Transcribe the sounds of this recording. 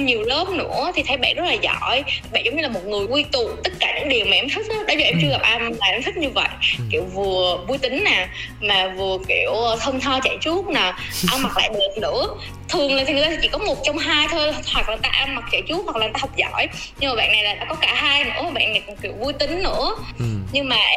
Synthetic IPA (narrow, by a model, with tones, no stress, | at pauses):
ɲi˨˩əwləː˦˥p̚nɨ̰˧˥ət̪ʰi˨˩t̪ʰə˨˦jɓa̰˧˨nzə˦˥t̚laː˨˩zɔ̰˧˩˨jɓa̰˧˨nzə˨˦wŋ͡mɲɨ˧laː˨˩mo˨˩t̚ŋɨ˨˩əjki˧t̪u˨t̪ə˦˥t̚kaː˧˩ɲɨ̰˧˥ŋɗi˨˩əwmaː˨ʔɛ˧mt̪ʰi˦˥k̚aː˨˦ɗo˨˦jzəː˨˩ʔɛ˧mt͡ɕɨ˧ɣa˨˩p̚ʔa˧mlaː˨˩ʔɛ˧mt̪ʰi˦˥k̚ɲɨ˧və̰˧˨jkḭ˧˩əwvɨ˨˩əvu˧jt̪ï˨˦ŋ̟naː˨˩ | maː˨˩vɨ˨˩əki˧˩əwt̪ʰə˧nt̪ʰɔː˧t͡ɕa̰˧˩jt͡ɕu˦˥p̚naː˨˩ʔa˧wnma˨˩k̚la̰ː˧˨jɓe˨˩t̚nɨ̰˧˥ə | t̪ʰɨ˨˩əŋla˨˩t̪ʰi˨˩ŋːʰ˨˧˨t͡ɕḭ˧˩kɔ˨˦mo˨˩t̚t͡ɕɔ˧wŋ͡mɦaː˧jt̪ʰəː˧hwa˨˩k̚la˨ŋ˨˩t̪aː˧ʔa˧nma˨˩k̚t͡ɕə˧˩jt͡ɕu˦˥t̚hwa˨˩k̚lːŋ˨˩a˧hk͡p̚zɔ̰˧˩˨j | ɲɨ˧ŋmaː˨˩ɓ̰a̰ː˧˨nːa˨˩jlaː˨˩ɗa̰ː˧˥kɔ˨˦kaː˧˩ɦaː˧jnɨ̰˧˥ə˨ɓa̰ː˧˨na˨˩jkŋ͡mkḭ˧˩əwvu˧jt̪ï˨˦ŋ̟nɨ̰˧˥əɲɨ˧ŋmaː˨˩